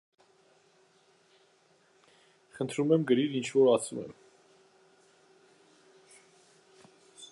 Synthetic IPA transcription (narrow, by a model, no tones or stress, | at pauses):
χənt̪ʰɾumɛmɡəɾiɾint͡ʃʰvɔɾɑsumɛ̰m